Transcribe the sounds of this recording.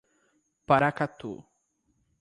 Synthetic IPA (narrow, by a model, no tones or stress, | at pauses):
paɾakat̪ṵ